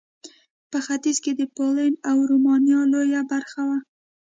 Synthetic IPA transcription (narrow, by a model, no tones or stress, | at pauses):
pəxat̪izked̪əpolanawɾumɑnjɑlojabaɾxawa